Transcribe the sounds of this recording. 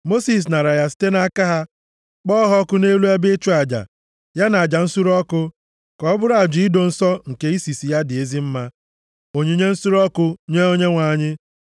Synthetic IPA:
mo˦si˨s̬na˨ɾa˨ja˦si̥˦te˦na˦ka˦ɦa˦ | k͡pɔː˦ɦɔ˦kʊ˦ne˦lu˦a˦bɪ˦t͡ʃu˦a˨d͡ʒa̰˨ | ja˦na˨a˨d͡ʒa˨n̩˦su˦ɾɔ˦kʊ˦ | kɔ˨ɔ˦bʊ˦ɾa˨d͡ʒʊ˨i˦do˨n̩˦sɔ˦ŋ̩˨ke˦i˦si˨si˨ja˦dɪ˨e˦zi˦m̩˦ma˦ | o˨ɲe˦ɲe˦n̩˦su˦ɾɔ˦kʊ˦ɲe˦o˦ɲe˦ŋʷa˨ɲɪ˦

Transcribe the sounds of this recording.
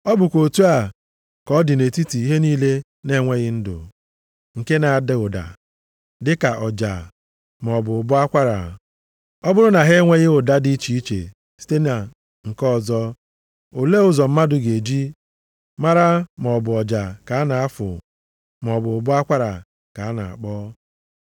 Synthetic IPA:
ɔ˦bʊ˨kʷo˨tu˦a˨ | kɔ˦dɪ˨ne˨ti˦ti˨i˦ɦe˦niː˦le˦ | ne˦ŋʷe˦ɣɪ˦n̩˦dʊ̰˨ | ŋ̩˨ke˦na˨a˨de˨ʊ˨da̰˨ | dɪ˦ka˨ʔɔ˨d͡ʒa̰˨ | mɔ˨bʊ˨ʊ˨bʊ˦a˦kʷa˦ɾa̰˨ | ɔ˦bʊ˦ɾʊ˦na˨ɦe˦ŋʷe˦ɣɪ˦ʊ˨da˦di˦t͡ʃi˨i˦t͡ʃḛ˨ | si̥˦te˦na˨ | ŋ̩˨kɔ˦˨zɔ˦ | o˨le˦ʊ˨zɔ˨m̩˦ma˦dʊ˨ɡe˨d͡ʒi˦ | ma˦ɾa˦mɔ˨bʊ˨ɔ˨d͡ʒa˨ka˨a˦na˨a˦fʊ̰˨ | mɔ˨bʊ˨ʊ˨bʊ˦a˦kʷa˦ɾa̰˨ | ka˨a˦na̰˨a̰˨k͡pɔː˦

